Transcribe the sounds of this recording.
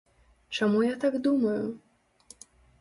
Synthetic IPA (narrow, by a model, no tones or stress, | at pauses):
t͡ʂamujat̪aɡd̪umɐju